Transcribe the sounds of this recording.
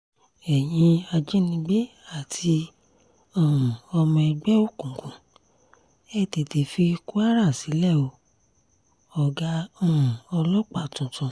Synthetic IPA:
ɛ˨j̃ĩ˧a˧d͡ʒe˦nĩ˧ɡ͡be˦ | a˦˨tʰi˧ | ɔ̃˦˨ɔ˧mɔ̃˧ɛ˧ɡ͡bɛ˦o˦˨kũ˨kũ˨˦ | ɛ˦˨te˨te˨fi˧ku˦a˦ɾa˦˨si˨˦lɛ˦˨o˧ | ɔ˨ɡa˧ɔ̃˦˨ɔ˧lɔ˦k͡pa˦˨tũ˨tũ˨˧

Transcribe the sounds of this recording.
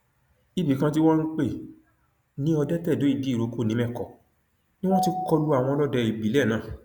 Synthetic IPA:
i˨bi˨kã˧t̬i˦w̃ɔ̃˦ɾ̃ũ˦k͡pe˦˨ | nĩ˨˦ɔ˧dɛ˦tɛ˦˨do˨˦i˧di˨˦˨ɾo˨˧˦ko˦˨nĩ˨˦mɛ̃˦˨kɔ̰˨ | nĩ˦w̃ɔ̃˦ti˧kɔ˧lu˦a˨w̃ɔ̃˧lɔ˦˨dɛ˧i˨bi˨˦lɛ˦˨nãː˦˨

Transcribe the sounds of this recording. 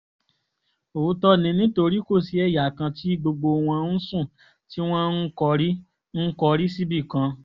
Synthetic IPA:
o˨˦tɔ˦nĩ˧nĩ˦to˧ɾi˦ko˦˨si˨ɛ˦˨ja˨kã˧ti˦ɡ͡bo˧ɡ͡bo˧w̃ɔ̃˧n̩˦sũ˦˨ | ti˦w̃ɔ̃˦n̩˦kɔ˧ɾi˦ | n̩˦kɔ˧ɾi˦si˦bi˦˨kã˧

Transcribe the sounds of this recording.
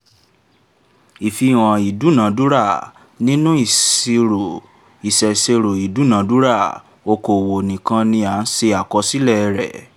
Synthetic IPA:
i˨fi˧˦˨w̃ɔ̃˨i˨du˨˦nã˨˦du˦ɾa˦˨ | nĩ˦nũ˦i˦˨i˧ɾo˨ | i˨sɛ˨se˧ɾo˨i˨du˨˦nã˨˦du˦ɾa˦˨ | o˧ko˨wo˨nĩ˨kã˧nĩ˧a˨˦n̩˦se˧a˨kɔ˧si˦lɛ˦˨˧ɾɛ̰˨

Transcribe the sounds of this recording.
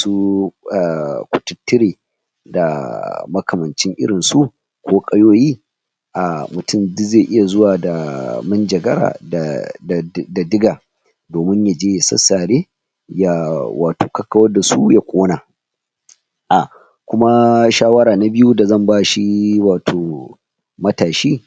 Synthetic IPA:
su˦a˨kʷʊ̥˨tʊ˦tːɪ˦ɾeː˨ | da˨mɐ˦kɐ˨mɐ˨nt͡ʃɪ˦ŋʔɪ̰˦ɽɪ˨nsu˦ | kʷoː˦kʼɐ˦joː˦jiː˦ | ʔa˨mʊ˨tʊ˦˨mdzeː˦˨ʔɪ˦ja˨zʊ˦waː˨da˨mʊ˦nd͡ʒɐ˨ɡɐ˦ɾa̰ː˨d | da˨dɪ˦ɡaː˨ | doː˨mɪ˦ɲja˨d͡ʒeː˦ja˨sɐ̰˦sːaː˨ɽeː˦ | ja˦wa̰ː˨toː˨kɐ˦kːɐ˨wɐ˦rda˨su˦ja˦kʷoː˦naː˨ | ʔa˨ | kʷʊ˦ma˦ʃaː˦wɐ˦ɾaː˨na˦bɪ˦ju˦da˨zɐ˦˨mbaː˦ʃi˦waː˨tʰoː˨ | mɐ˦taː˨ʃiː˦

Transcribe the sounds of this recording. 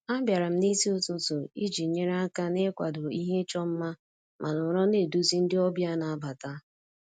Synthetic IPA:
a˦bja˨ɾa˨m̩˦ni˦si˦ʊ˦tʊ˦tʊ˨i˦d͡ʒi˨ɲe˦ɾa˦ka˦ne˦kʷa˨do˨i˦ɦe˦t͡ʃɔ˦m̩˦ma˦ | mʔa˨nʊ˨ɾɔ˦ne˨du˦zi˦n̩˦dɪ˦ɔ˦bja˦na˨a˦ba˨ta˦

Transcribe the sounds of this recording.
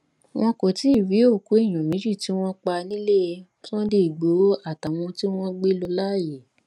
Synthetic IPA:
w̃ɔ̃˧ko˨ti˨˦˨ɾi˨˦o˦˨ku˨˦e˦˨j̃ɔ̃˨mĩ˨˦d͡ʒi˦˨ti˨˦w̃ɔ̃˦k͡pa˧nĩ˦le˦˧ | sɔ̃˦de˦i˨ɡ͡bo˨˦a˦˨ta˨w̃ɔ̃˧ti˦w̃ɔ̃˦ɡ͡be˦lɔ˧la˦˨je˨

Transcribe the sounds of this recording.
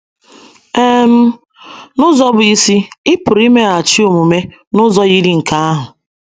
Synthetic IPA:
e˦m̩˦ | nʊ˦zɔ˦bʊ˨i˦si˦ɪ˦pʊ˨ɾi˦me˦a˨t͡ʃi˦o˨mu˨me˦ | nʊ˦zɔ˦ɣi˦ɾi˨ŋ̩˨ka˦a˦ɦʊ˨

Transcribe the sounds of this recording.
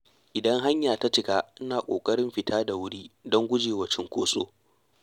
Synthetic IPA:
ʔɪ˨dɐ˦ŋɦa˦ɲjaː˨ta˦tɪ˨˦kaː˦ʔɪ˦naː˨kʷʼo̰ː˨kʼɐ˦ɽɪ˦mɸɪ˨tʰaː˦da˨wʊ˦ɽiː˦dɔ˦ŋɡʷʊ˦d͡ʒeː˨wɐ˨t͡ʃɪ˦ŋkʷoː˦sʼo̰ː˦

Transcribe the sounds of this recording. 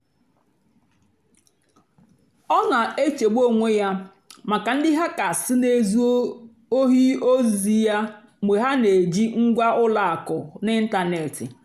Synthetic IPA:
ɔ˦na˨e˦t͡ʃe˨ɡ͡bo˦ŋʷe˦ja˦ | ma˨ka˨n̩˦dɪ˦ɦa˦ka˨sɪ˦ne˦˨zu˦ | o˦ɦi˦o˦zi˨ja˦ | me˨ɦa˦ne˨d͡ʒi˦ŋ̩˦ɡʷa˦ʊ˦la˨a˨kʊ˨nɪ˦n̩˦ta˨ne˨tɪ̰˨

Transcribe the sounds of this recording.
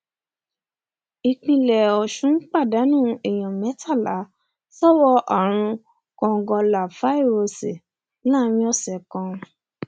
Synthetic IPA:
i˧k͡pĩ˧lɛ˨ɔ˨ʃũ˨˦k͡pa˦˨da˨˦nũː˦˨ɛ˨j̃ɔ̃˨mɛ̃˨˦tʰa˦˨la˨˦ | sɔ˦wɔ˧ʔɔ˨ɾ̃ũ˧ | kɔ̃˧˨ɡɔ̃˧la˨fa˨˦i˦˨wo˧se˨ | la˦˨˦ɾ̃ĩ˧˦ɔ˦˨sɛ˨kɔ̃˧

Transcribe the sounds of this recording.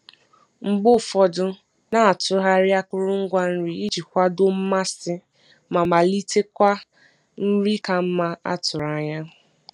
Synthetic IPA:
ŋ͡m̩˨ɡ͡bʊ˦fɔ˨dʊ˦ | na˨a˨tʊ˨ɦa˦ɾja˦kʊ˦ɾʊ˦ŋ̩˦ɡʷa˦n̩˦ɾi˦i˦d͡ʒi˨kʷa˦do˦m̩˦ma˦sɪ˦ | ma˨ma˨li˦tʰe˦kʷa˦ | n̩˦ɾi˦ka˨m̩˦ma˦a̰˦tʊ˨ɾa˨ɲa˦

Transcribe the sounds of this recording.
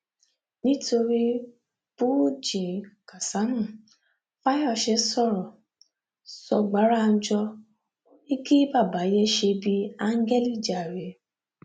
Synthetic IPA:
nĩ˦to˧ɾi˦ | b̥u˦d͡ʒĩ˨ka˨sa˨˦mũ˦˨ | fa˦jɔ˦˧˨ʃɛ˧sɔ˦˨ɾɔ˨ | sɔ˧ɡ͡ba˨˦ɾa˦˨˧n̩˦d͡ʒɔ˧ | i˦ki˦ba˦˨ba˨˦jɛ˦ʃe˧bi˧a˧ŋ̩˦ɡɛ˦li˦˨d͡ʒa˨ɾe˨˦

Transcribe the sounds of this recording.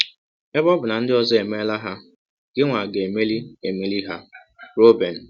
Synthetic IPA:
e˦bɔ˦bʊ˨na˨n̩˦dɪ˦ɔ˨zɔ˦e˨me˦la˦ɦa˦ | ɡ̥ɪ˦ŋʷa˨ɡe˨e˨me˦li˦e˨me˦li˦ɦa˦ | ɾo˦be˨n̩˨

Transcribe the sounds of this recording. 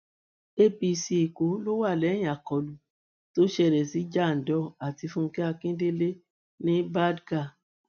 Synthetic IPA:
e˦pi˧si˧i˨ko˨˦lo˦wa˦˨lɛ˨˦j̃a˨kɔ˨lu˨ | to˦ʃɛ˦˧˨ɾɛ˨si˨˦d͡ʒa˦˨n̩˨dɔ˧˨a˨ti˧fũ˦˧kɛ˦a˧kĩ˦de˦le˦ | nĩ˦ba˦dɡa˦˨

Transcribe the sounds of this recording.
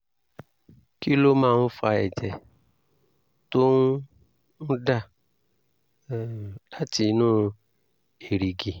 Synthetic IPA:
ki˦lo˦mãː˦˨˧fa˧ɛ˨d͡ʒɛ˨ | to˦n˦ | ñ̩˦da˦˨ | la˨˦ti˧˦nũː˦ | e˨ɾi˨ɡi˨

